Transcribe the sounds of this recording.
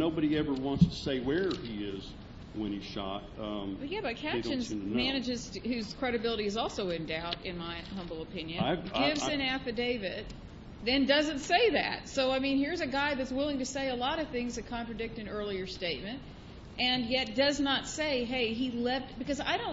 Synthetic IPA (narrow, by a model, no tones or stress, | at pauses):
noʊbəɾiɛvə˞wɑ̃ntstʰɨ̥seɪwə˞iɪz̥ | wə̰̃ni̥ʃɑ̰t̚ʌ̃bʌjæbʌt̚kʰæɨ̃nzmæñɨd͡ʒɨz̥hʉz̥kʰɹ̥ɛɾɨbɪlˠəɾiɨzɔlˠsoʊɨ̃ndaʊɾɪ̰̃nmaɪɦʌ̃mbl̩ˠəpʰɪ̃njɨ̃nɪɡ̥ɪvzɨ̃næfɨdeɪvɪd̚ | ðɨ̃ndʌzɨ̃ntseɪðæ̰t̚soʊaɪmĩnhiɹzɨɡaɪðɨtswɪlˠɪ̃ŋtɨseɪəlɔɾʌv̥θɪ̃ŋzðɨt̚kʰɑ̃ntɹ̥ɨdɪk̚tɨ̃nɜ˞lˠiə˞steɪt̚mɨ̃nt̚ | ʔɨ̃njɛt̚d̥ʌznətseɪɦeɪilɛftb̥ɨkʌzaɪɾõʊ̃